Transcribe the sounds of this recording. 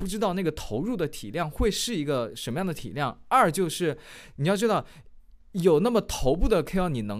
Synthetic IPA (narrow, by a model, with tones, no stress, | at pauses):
pu˥˩ʈ͡ʂɻ̩˥t̪ɑ˥˧ʊna˥˩ɡə˩t̪ʰo˧˥ʊɻu˥˩d̪ə˩t̪ʰi˨˩ljɑ˥˧ŋxwe˥˧ɪʂɻ̩˥˩i˧˥ɡə˧ʂə˧˥nmə˧jɑ˥˩ŋd̪ə˩t̪ʰḭ˨˩ljɑ˥˩ŋɐ˞˥˩t͡ɕjo˥˧ʊʂɻ̩˥˩ | ni˨˩jɑ˥˧ʊʈ͡ʂɻ̩˥t̪ɑ˥˩ʊ | jo˨˩ʊna˥˩mə˩t̪ʰo˧˥ʊp̬u˥˩d̪ə˩kʰɪ˥jɑ˥˩ni˨˩nɤ˧˥